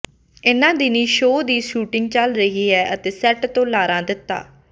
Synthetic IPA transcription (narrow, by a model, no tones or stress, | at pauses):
ɪnãːd̪iːnĩːʃoːd̪iːʃuːʈɪŋɡ̚t͡ʃəlɾəɦiːɦɛːʔət̪eːsɛːʈt̪õːlaːɾãːd̪ɪt̪ːa̰ː